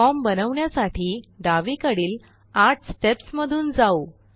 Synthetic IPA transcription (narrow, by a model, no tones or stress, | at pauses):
ɔmbənəʋɳjasaʈʰiːɖaʋikəɽiːl | aʈʰsʈepsməd̪ʱuːnd͡zau